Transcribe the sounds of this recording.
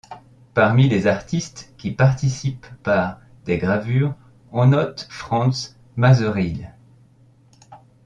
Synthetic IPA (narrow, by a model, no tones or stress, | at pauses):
paʁmilezaʁt̪ist̪kʲipaʁt̪isipːaʁ | d̪̥eɡʁavyːʁ | ɔ̃nɔt̪fχɑ̃s | mazøʁil